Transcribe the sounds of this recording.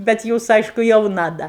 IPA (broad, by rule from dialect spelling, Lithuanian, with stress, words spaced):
bʲɛt ˈjuːs ˈɐɪʃkʊ jɛʊˈnɐ ˈdɐ